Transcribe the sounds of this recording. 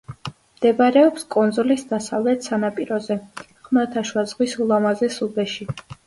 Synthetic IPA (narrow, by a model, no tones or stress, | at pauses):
md̪̥ɛbaɾɛɔpskʼɔnzɔlisd̪asavlɛt̪ʰsanapʼiɾɔzɛ | χmat̪ʰaʃwazʁwisulˠamazɛsubɛʃi